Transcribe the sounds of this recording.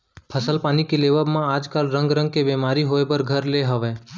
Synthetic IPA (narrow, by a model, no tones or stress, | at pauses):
pʰəsəlpaːnikeleʋəbmãaːd͡ʒkaːlɾə̃ŋɡɾə̃ŋɡ̚kebeːmaːɾiɦoebəɾɡʱəɾleɦəʋẽː